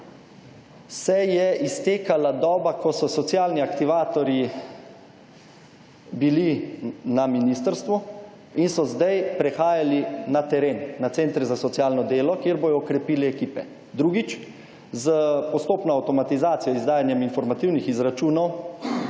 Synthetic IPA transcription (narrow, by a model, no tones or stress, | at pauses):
sɛjɛist̪eːkalad̪ɔːbakɔsɔsɔt̪sjaːlniakt̪iʋaːt̪ɔɾji | bilinaminist̪əɾst̪ʋu | insɔzd̪ajpɾɛxaːjalinat̪ɛɾeːnːat̪sent̪ɾɛzasɔt̪sjaːlnɔd̪eːlɔkjeːɾboːjɔːkɾɛpiːlɛɛkiːpɛ | d̪ɾuːɡit͡ʃ | zəpɔst̪oːpnɔawt̪ɔmat̪izaːt̪sijɔizd̪aːjanjɛminfɔɾmat̪iwnixizɾat͡ʃuːnɔw